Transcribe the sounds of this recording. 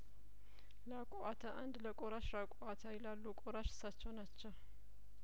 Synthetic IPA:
lakʼoʔat̪ʰaʔand̪ləkʼoɾaʃɾakʼoʔat̪ʰajɛlalːukʼoɾaʃɨ̥sːat͡ʃːɛwnat͡ʃːɛw

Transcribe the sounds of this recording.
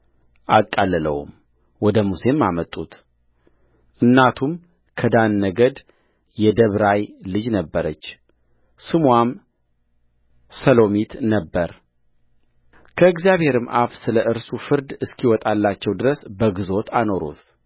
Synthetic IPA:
ʔakʼːalːɨlə̰wṵm | wɔd̪əmuse̞mamət̪ʼːut̪ | ʔɨnːat̪ʰum | kʰəd̪anːəɡəd̪ | jɛd̪əβɾajlɨd͡ʒnəbːəɾət͡ʃː | sɨmwam | səlo̞mit̪nəbːəɾ | kʰəɨɡzijaβhe̞ɾɨmʔa̰fsɨləʔɨɾsufɨɾd̪ɨskʰiwɔt̪ʼalːat͡ʃːɛwd̪ɨɾəsbəɡɨzo̞t̪ʰano̞ɾṵt̪ʰ

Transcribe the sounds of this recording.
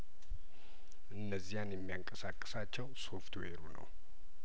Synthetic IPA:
ʔɨnːəzːijanjɛmːijaŋkʼəsakʼːɨsat͡ʃːɛwso̞ft̪weɾunə̰w

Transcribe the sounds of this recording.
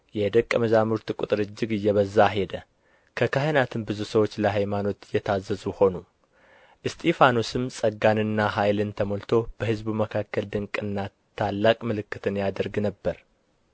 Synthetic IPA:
jɛd̪əkʼːəməzamuɾt̪kʼut̪ʼɨɾɨd͡ʒːɪɡɨjːɛβəzːaɦe̞d̪ə | kʰəkʰaɦənat̪ʰɨnbɨzusəwot͡ʃːləɦajmano̞t̪jɛt̪ʰazːəzuho̞nu | ʔɨst̪ʰefanosɨmsʼəɡanɨnːaɦajlɨnt̪ʰəmolt̪ʰo̞b̥əhɨzbuməkʰakːəld̪ɨŋkʼɨnːa | t̪ʰalːakʼmɨlɨkːɨt̪ʰɨnjad̪əɾɡnəbːəɾ

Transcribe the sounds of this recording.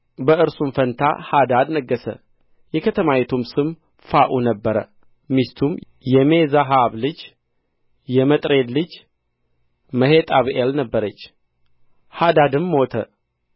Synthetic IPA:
bəɨɾsumfənt̪ʰa̰had̪ad̪nəɡːəsə̰ | jɛkʰət̪ʰəmawɛt̪ʰumsɨm | faʔunəbːəɾə̰ | mist̪ʰum | jɛmezaɦaβlɨd͡ʒ | jɛmət̪ʼɾe̞d̪lɨd͡ʒ | məhet̪ʼaβʔelnəbːəɾət͡ʃː | had̪ad̪ɨmːot̪ʰə

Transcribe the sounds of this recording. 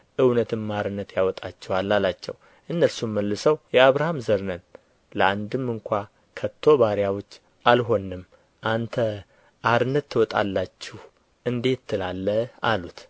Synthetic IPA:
ʔɨwnət̪ʰɨmːaɾɨnːət̪jawɔt̪ʼat͡ʃːɛwalːalat͡ʃːɛ̰w | ʔɨnːəɾsumːəlːɨsəwjɛaβɾahamzəɾnən | ləand̪ɨmɨŋkʷʰa | kʰət̪ʰːo̞βaɾjawot͡ʃː | ʔalɦo̞nːɨm | ʔant̪ʰə | ʔaɾɨnːət̪ʰːɨwɔt̪ʼa̰lːat͡ʃːɪh | ʔɨnd̪e̞t̪ʰːɨlalːəalut̪

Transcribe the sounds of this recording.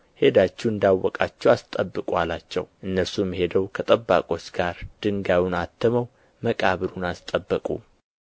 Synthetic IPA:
he̞d̪at͡ʃːuɨnd̪awːɔkʼat͡ʃːɛwast̪ʼəbːɨkʼwalat͡ʃːɛ̰wʔɨnːəɾsumːihe̞d̪əwkʰət̪ʼəbːa̰kʼo̞t͡ʃːɡ̥aɾd̪̥ɨŋɡawunat̪ʰːəməw | məkʼaβɨɾunast̪ʼəbːəkʼṵ

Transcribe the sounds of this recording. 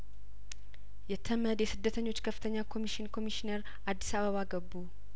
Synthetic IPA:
jɛt̪ʰːəməd̪jɛsɨd̪ːət̪ʰəɲːo̞t͡ʃːkʰəfːɨ̥t̪ʰəɲːakʰo̞miʃɪnkʰo̞miʃineɾ | ʔad̪ːisaβəβaɡəbːu

